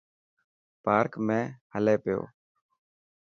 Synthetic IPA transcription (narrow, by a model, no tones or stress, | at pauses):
paːɾkmẽːhəleːpɪjo̰ː